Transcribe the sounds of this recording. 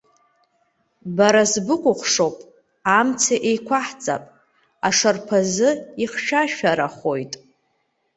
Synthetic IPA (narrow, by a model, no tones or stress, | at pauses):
baɾazbɨqʷʼʊχʷʂo̞wpʼ | amt͡sʰaʔejkʷʰaħt͡sʼa̰pʼ | aʂarpʰazɨiχʃᶣaʃᶣaɾaχo̞jtʼ